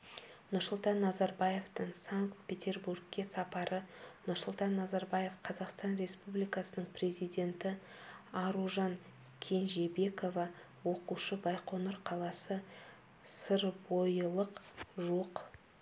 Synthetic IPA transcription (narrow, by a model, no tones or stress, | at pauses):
nʊɾsʊlˠt̪ɑnːɑzɑɾbɑje̞ft̪əɴsaŋkt̪̚pʰʲe̞t̪ʲe̞rburɡ̚kʲːe̞sɑpɑɾʔənʊɾsʊlˠt̪ɑnːɑzɑɾbɑje̞fqʰɑzɑqst̪ɑnɾe̞spublijkɑsənəɴpʰre̞zijd̪ʲe̞nt̪ɪ | ɑɾuʒɑŋ | kʲʰe̞nʒe̞be̞ko̞vɑ | wo̞quʃəbɑjqʰo̞nəɾqʰɑlˠɑsə | səɾbo̞jəlˠəqʒoq